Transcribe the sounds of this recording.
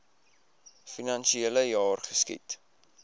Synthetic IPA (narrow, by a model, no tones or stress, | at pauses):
finɐnʃieləjɑːrχəskḭt